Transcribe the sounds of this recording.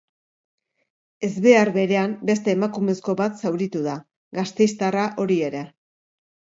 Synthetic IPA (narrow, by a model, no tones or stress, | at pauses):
e̞zβe̞aɾβe̞ɾe̞ambe̞st̪e̞ːmakume̞sko̞βat̪sawɾit̪uða | ɡast̪e̞jst̪araʔo̞ɾie̞ɾe̞